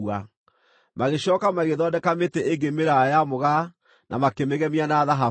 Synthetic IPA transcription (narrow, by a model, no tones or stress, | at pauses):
a | maɣeɕɔːkamaɣeðɔdɛkameteʔeɡemeɾajamoɣa | nʔa̰makemeɣɛmianaðaɦa